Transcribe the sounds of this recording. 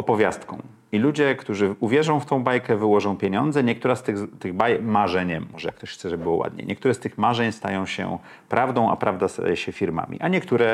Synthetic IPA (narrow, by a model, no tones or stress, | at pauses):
ɔpɔvʲjast̪kɔ̰̃w̃ | ilud͡ʑɛkt̪uʐɘuvʲjɛʐɔ̃w̃ft̪ɔ̃w̃bajkɛvɘwɔʐɔ̃w̃pʲjeɲɔnd̪zɛɲɛk̚t̪uɾast̪ɘɣt̪ɘɣbajmaʐɛɲɛmːɔʐɛ̰kt̪ɔɕxt̪sɛʐɛbɘbɘwɔwʔa̰d̪̚ɲḛɲʔɛk̚t̪uɾɛst̪ɘxmaʐɛɲst̪a̰jɔ̃w̃ɕɛ̰ | pɾʔavd̪ɔ̃ʔa̰pɾʔavd̪ast̪a̰jɛɕɛfʲiɾma̰mʲḭʔaɲɛkt̪uɾɛ